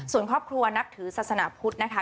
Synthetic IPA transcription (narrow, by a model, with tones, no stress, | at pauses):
su˨˩ənkʰɾɔː˥˩p̚kʰɾu˧ɐna˦˥k̚t̪ʰɯː˩˦saː˨˩t̪̚sa˧naː˨˩˦pʰu˦˥t̪̚na˦˥kʰa˦˥